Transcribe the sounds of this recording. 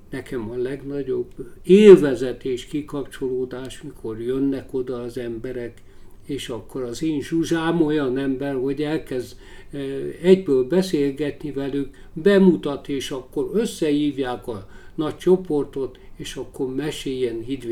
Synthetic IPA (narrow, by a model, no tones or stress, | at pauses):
nɛkɛmɒlɛɡnɒɟobeːlvɛzɛt̪eːʃkikɒpt͡ʃo̞loːd̪aːʃmikʰo̞rjønːɛko̞d̪ɒːzɛmbɛɾɛk | eːʃɒkːo̞ɾɒzeːnʒuʒaːmo̞jɒnɛmbɛrɦo̞ɟɛlkɛz | ɛɟbøːlbɛseːlɡɛt̪nivɛlyk | bɛmut̪ɒt̪eːʃɒkːo̞ɾøsːɛhiːvjaːkɒ | nɒct͡ʃo̞po̞rt̪o̞t̪eːʃɒkːo̞rmɛʃeːjɛnɦid̪